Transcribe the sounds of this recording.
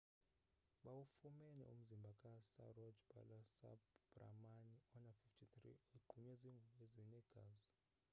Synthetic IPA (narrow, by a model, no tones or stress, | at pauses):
ɓawufumɛnɛ̰ṵm̩zimbʱakʼasa̰rɔd͡ʒba̰lasa̰bbra̰maniɔnafiftʰitrḭeɡ͡ǃʱuɲɛziŋɡʱuɓezinɛɡ̥ʱa̰ːzɔ